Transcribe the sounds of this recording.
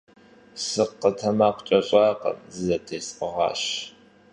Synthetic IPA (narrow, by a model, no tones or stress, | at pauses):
sɨqːətʰɐmaːqʷʰʼt͡ʃʼɐɕʼɑːqɐ̰mzɨzɐtʰeːsʼqəʁɑ̰ːɕ